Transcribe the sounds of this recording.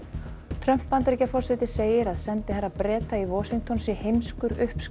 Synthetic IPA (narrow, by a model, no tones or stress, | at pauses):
t̪ʰɾœm̥pːant̪ɾejcafɔr̥sɛt̪ɪseːjɪɾaðsɛnt̪ɪhaɾːapɾɛːt̪aivɔːsiŋkt̪ʰɔnsihejmskʏɾʏhps